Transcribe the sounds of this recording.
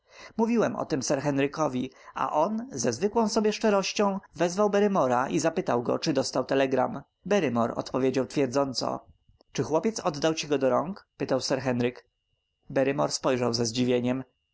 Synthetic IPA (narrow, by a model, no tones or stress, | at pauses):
muvʲiwɛmʔɔ̰t̪ɘmsɛɾxɛnɾɘkɔvʲia̰ʔɔnzɛzvɘkwɔ̃w̃sɔbʲjɛʂt͡ʂɛɾɔɕt͡ɕɔ̃w̃vɛzvawbɛɾɘmɔɾaʔizapɘt̪awɡɔ̰t͡ʂɘd̪ɔst̪awt̪ɛlɛɡɾa̰m | bɛɾɘmɔ̰ɾɔ̰t̪pɔvʲjed͡ʑawt̪fʲjɛɾd̪zɔnt̪sɔ̰ | t͡ʂɘxwɔpʲjɛt̪sɔd̪ːawt͡ɕiɡɔd̪ɔɾɔŋkpɘt̪awsɛɾxɛnɾɘk | bɛɾɘmɔɾspɔjʐawzɛzd͡ʑivʲjeɲɛm